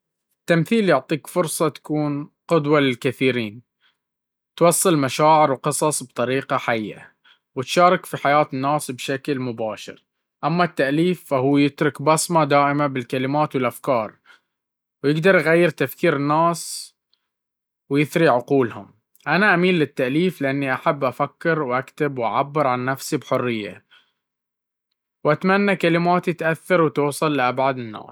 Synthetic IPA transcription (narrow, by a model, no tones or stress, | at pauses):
ɪt̪ːamθiːljʊʕt̪ˤiːkfʊɾsˤɑt̪ḁkuːnqʊd̪walɪlkaθiːɾiːn | t̪wɑsˤːɨlmaʃaːʕɪɾwqɨsˤɑsˤbt̪ˤɑɾiːqɑħajːa̰ | wɪt̪ʃɑːɾˤɑkfiħajaːt̪ɪnːaːsbʃaklmʊbaːʃɪ̰ɾ | ʔamːat̪ːaʔliːfːaɦuːjɪt̪ɾʊkbɑsmad̪aːʔɪmabɪlkalɪmaːt̪wɪlʔafkɑːɾˤ | wjɪɡd̪ɑɾˤʔɣajːɪɾt̪afkiːɾɪnːaːs | wjɪθɾiʕʊquːlhʊ̰m | ʔanaʔamiːnlɪt̪ːaʔliːflɪʔanːiʔaħabːʔafakːɪɾwʔakt̪ɪbwʔa̰ʕabːɪɾʕanːafsibħʊrːɪjːa̰ | wʔat̪manːakalɪmaːt̪it̪ʔaθːɑɾwt̪uːsˤɑlːɪʔabʕad̪ɪnːa̰ːs